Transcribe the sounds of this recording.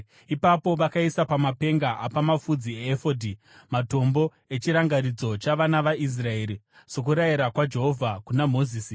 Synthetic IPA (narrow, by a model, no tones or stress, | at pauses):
ipapo̞ʋakaisapamape̞ŋɡaʔapamafud͡zieːfodʱi | mato̞mbo̞ | e̞t͡ʃiɾaŋɡaɾid͡zo̞t͡ʃaʋanaʋaʔis̬rae̞ːɾi | sok̬uɾaiɾakwad͡ʒe̞ɦo̞vʱakunamo̞ziːsi